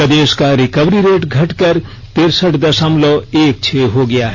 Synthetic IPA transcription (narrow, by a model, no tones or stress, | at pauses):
əd̪eːskaɾikəʋɾiɾeːʈɡʱɐʈkəɾ | t̪eɾsəʈd̪ɐsəmlɔeːk̚t͡ʃʰeɦoɡɐjaɦɛ